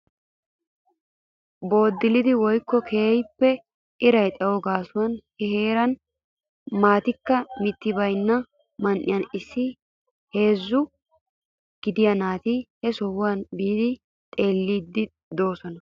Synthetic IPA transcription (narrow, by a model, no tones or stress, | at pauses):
bo̞ːd̪ːɪlɪd̪ɪwɔjkːɔkʰeːjpːɛ | ɪɾɐjt̪ʼɐwɔɡaːsʊwɐnhɛheːɾɐn | maːt̪ɪkːɐmɪt̪ːɪbɐjnːɐ | mɐnʔɪjɐnɪsːɪ | he̞ːzːʊ | ɡ̥ɪd̪ɪjɐnaːt̪ihɛsɔwwanbiːd̪ɪ | t̪ʼe̞ːlːiːd̪ːɪ | d̪o̞ːsɔnɐ